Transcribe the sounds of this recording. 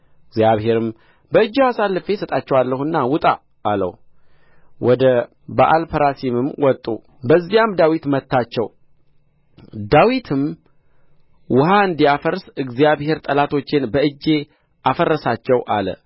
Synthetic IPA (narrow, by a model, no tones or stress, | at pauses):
ɨɡzjaβɦe̞ɾɨm | bəɨd͡ʒːiasalːɨfe̞sət̪ʼat͡ʃːɛwalːəhunːawʊt̪ʼa̰ | ʔːlə̰u | wɔd̪ə | baʔalpʰəɾasimɨmwʔɔt̪ʼṵ | bəzːijamd̪awit̪mət̪ːat͡ʃːɛw | d̪awit̪ʰɨm | wʊɦaɨnd̪ijafəɾsɨɡzijaβhe̞ɾt̪ʼəlat̪ʰo̞t͡ʃːɪnbəɨd͡ʒːe̞ | ʔafərːəsat͡ʃːɛwʔa̰lə̰